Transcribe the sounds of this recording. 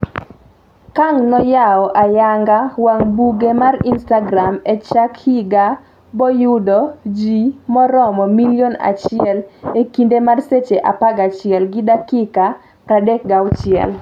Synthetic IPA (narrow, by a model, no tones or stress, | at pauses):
kaŋnɔjaɔʔajaŋɡawaŋbuɡemarinstaɡɾamɛt͡ʃakhiɡa | bɔjʊdɔd͡ʒimɔɾɔmɔmiljona̰t͡ʃɪɛlekindemarset͡ʃeʔa̰paɡat͡ʃɪɛlɡɪdakɪka | ɾadɛk̚ɡaʊt͡ʃɪɛ̰l